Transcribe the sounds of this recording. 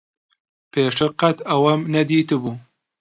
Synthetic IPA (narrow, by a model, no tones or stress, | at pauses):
pʰeːʃɨɾqɐt̪ɐwɐmnɐd̪iːt̪ɨbuː